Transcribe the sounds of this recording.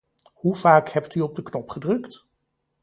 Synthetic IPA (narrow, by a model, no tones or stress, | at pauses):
huvaːkhɛptyɔb̚dəknɔpχədrɵkt